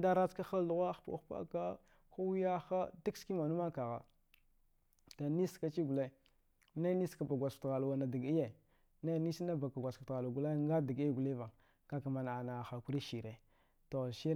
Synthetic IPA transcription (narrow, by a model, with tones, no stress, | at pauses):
da˦ɾa˦t͡ska˦xa˦ldu˦ɣa˦xpa̰˦xpa̰˦ka˦ | xu˦wi˦ja˦xa˦di˦kski˦ma˨nu˦ma˦ka˨ɣa̰˨ | ta˨ni˦ska˦t͡ʃi˦ɡu˨le˦ | na˦ni˦ska˨ba˨ɡʷa˨stɣa˨lwa˨na˨di˨ɡi˦je˨ | na˦ni˦sna˦ba˨ka˨ɡʷa˨su˨tɣa˨lu˨ɡu˨le˦ŋɡa˦di˨ɡe˦ɡu˨li˦va˨ŋ | ka˦ka˨ma˨n˨a˨na˨xa˨ku˦ɾi˦ʃi˨ɾe˨ | to˨ʃi˦ɾ